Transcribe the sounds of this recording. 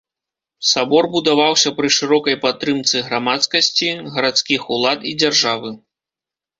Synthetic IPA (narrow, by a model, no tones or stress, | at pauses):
sabɔrbud̪avawsʲɐpɾɨʂɨɾɔkɐjpat̪ːɾɨmt̪sɨɣɾamat̪skɐsʲt͡sʲiɣɐɾat̪skʲixulˠat̪id͡zʲarʐavɨ